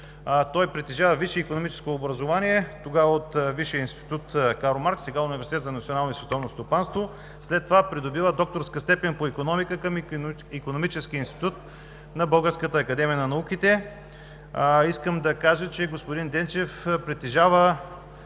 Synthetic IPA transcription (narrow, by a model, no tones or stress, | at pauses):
t̪ɔjpɾɛt̪ɛʒavəviʃɛikonomit͡ʃɛ̥skoːbɾɐzovanʲiɛt̪oɡaəot̪viʃiəinst̪i̥t̪ut̪kaɾomaɾk̪sɛɡaʊnivɛɾsit̪ɛt̪zɐnɐt̪sionalˠnoisvɛt̪ɔvnost̪opanst̪vo | slɛt̪ːovapɾid̪obivəd̪ɔk̚t̪oɾskəst̪ɛpɛnpoikonɔmikəkəm | ikonomit͡ʃɛskiinst̪i̥t̪ut̪ | nɐbɤlˠɡəɾskət̪əːkɐd̪ɛmijənɐnɐukit̪ɛ | iskəmd̪ɐkaʒət͡ʃɛɡospʊd̪ind̪ɛnt͡ʃɛfpɾɛt̪ɛʒavə